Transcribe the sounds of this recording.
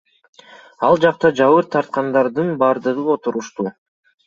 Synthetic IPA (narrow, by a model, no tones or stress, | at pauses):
ɑlˠd͡ʒɑq̚t̪ɑd͡ʒɑβɯɾt̪ʰɑɾt̪̚qɑnd̪ɑɾd̪ɯnbɑɾd̪ɯʁɯo̞t̪uɾuʃt̪u